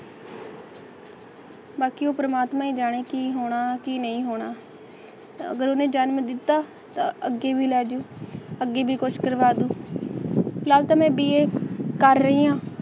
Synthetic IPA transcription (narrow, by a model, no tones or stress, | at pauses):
baːkiːoːpɾəmaːt̪mãːiːd͡ʒaːɽ̃eːkiːɦoːɽ̃aːkiːnəĩːɦoːɽ̃aː | ə̰ɡəɾoːnẽːd͡ʒaːnməd̪ɪt̪ːaː | t̪ã̰ːəɡeːbʱiːlɛːd͡ʒũːəɡːeːbʱiːkʊʃʰkəɾʋaːd̪ũː | laːlt̪ãːmɛ̃ːbiːeːkəɾːəĩːãː